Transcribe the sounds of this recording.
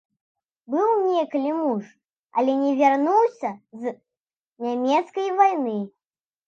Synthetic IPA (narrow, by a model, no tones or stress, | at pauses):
bɨwnʲɛklʲimuʂ | ɐ̰lʲɛnʲɛvʲarnuwsʲɐz | nʲamʲɛt̪skɐjvajnɨ